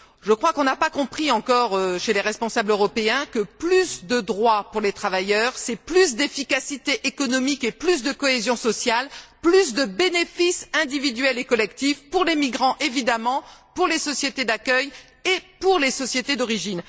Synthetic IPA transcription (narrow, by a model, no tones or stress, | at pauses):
ʒəkχwakɔ̃napakɔ̃pχiɑ̃kɔʁøʃeleʁɛspɔ̃sabløʁɔpeɛ̃kəplysd̪əd̪ʁwapuʁlet̪χavajœʁsɛplys̬d̪efikasit̪eʔekɔnɔmikeplys̬d̪əkɔezjɔ̃sɔsjalplys̬d̪əbenefisɛ̃d̪ivid̪ɥɛlekɔlɛkt̪ifpuʁlemiɡʁɑ̃ʔevid̪amɑ̃puʁlesɔsjet̪ed̪akœj | epuʁlesɔsjet̪ed̪ɔʁiʒin